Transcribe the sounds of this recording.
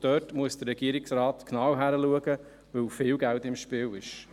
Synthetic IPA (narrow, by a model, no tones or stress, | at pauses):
d̥œːtmuəsd̥əɾːɛɡiəɾɪksɾaːtknɑːwɦæɾəluəɡə | ʋɵlfɪːlɡæltɪmʃpɪːwɪʃ